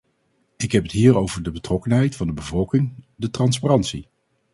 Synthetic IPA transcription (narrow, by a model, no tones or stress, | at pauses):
ɪkɦɛpətɦiːɹowvəɹdəbətrɔkənɦɛjtfɑndəbəvɔlˠkɪŋdətrɑnsparɑntsi